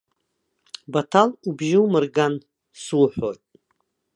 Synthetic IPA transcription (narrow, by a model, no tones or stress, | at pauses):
batʰalubʒɪwmɨrɡan | suwħʷojtʼ